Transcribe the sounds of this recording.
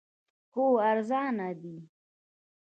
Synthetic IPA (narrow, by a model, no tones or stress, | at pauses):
koːaɾzɑːnad̪i